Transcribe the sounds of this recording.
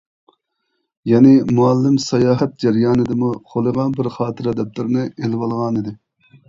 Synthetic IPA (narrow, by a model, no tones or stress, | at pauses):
jɑnɪmuɛlːɪmsɑjɑːɦɛt̪̚d͡ʒɛɾjɑːnɨd̪ɨmuχʰolˠɨʁɑnbɪɾχɑːt̪ʰɨɾɑd̪ɛp̚t̪ɪɾnɨelɪwɑlˠʁɑnɨd̪ɪ